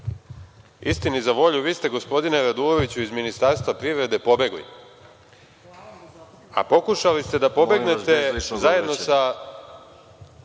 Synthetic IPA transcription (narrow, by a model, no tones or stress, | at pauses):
ḭst̪inizaʋo̞ʎuʋiːst̪e̞ɡo̞spo̞d̪ineɾad̪uːɾo̞ʋit͡ɕuizminist̪aɾst̪ʋapɾiʋɾe̞d̪e̞po̞be̞ɡlḭ | a̰po̞kuʃalist̪e̞d̪apo̞beɡne̞t̪ezaje̞d̪nosa